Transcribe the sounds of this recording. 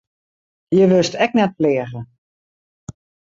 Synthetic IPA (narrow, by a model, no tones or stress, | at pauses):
jəʋøstɛk̚nɛt̚plɪːəɣə